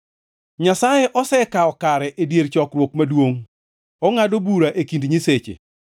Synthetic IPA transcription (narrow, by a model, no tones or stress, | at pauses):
ɲasajɛʔɔsɛkaɔkaɾɛʔedjeɾt͡ʃɔkrwokmadwoŋ | ɔŋadobuɾaʔekindɲiset͡ʃḛ